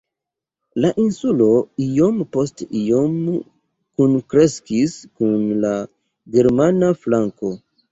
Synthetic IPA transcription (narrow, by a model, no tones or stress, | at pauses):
laʔinsulo̞ijompostijom | kunkɾe̞skiskunla | ɡe̞ɾmanaflaŋko̞